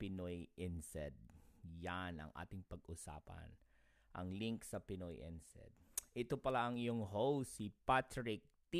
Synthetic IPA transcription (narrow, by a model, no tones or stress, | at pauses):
pɪnojʔɛnsɛd̪̚janɐ̰ŋʔa̰ːt̪ɪŋpɐɡʔʊsa̰ːpɐ̰n | ʔɐ̰ŋliŋksɐpɪnojʔɛ̰nsɛ̰d̪̚ʔɛt̪opɐlaʔɐŋɪjoŋɦowsipat̪ɹɪk̚t̪i